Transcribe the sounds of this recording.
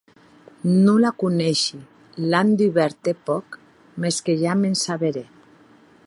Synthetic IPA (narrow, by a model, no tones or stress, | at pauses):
nulakunɛʃi | land̪iβeɛɾt̪epɔk | meskeʒamensaβeɾe